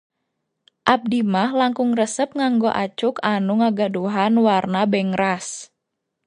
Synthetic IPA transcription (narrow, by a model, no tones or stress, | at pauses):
ʔap̚dimahlaŋkʊŋrəsəp̚ŋaŋɡoʔat͡ʃukanuŋaɡaduɦanwarnabɛŋɾas